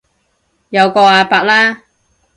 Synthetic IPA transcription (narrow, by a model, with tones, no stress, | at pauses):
jɐ˨˧wkɔː˧aː˧paː˧k̚laː˥